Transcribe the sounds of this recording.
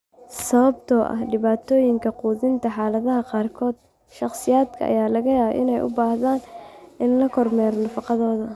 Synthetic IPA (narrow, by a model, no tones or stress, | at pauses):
sɐβɐbt̪ʰɔʔɐ̰hɖɪβaːt̪ʰɔːjɪŋkʰɐquːðɪnt̪ʰɐħaːlɐðɐɦɐqɑːrkʰɔːd̪̥ | ʃɑqsɪjaːd̪kʰɐ̰ʔɐ̰jaːlɐɣɐjaːβ̰ʔɪ̰nɛjʔʊ̰baːhðaːnɪnlɐkʰɔrmɛːɾnɐfɑqɑðɔːðɐ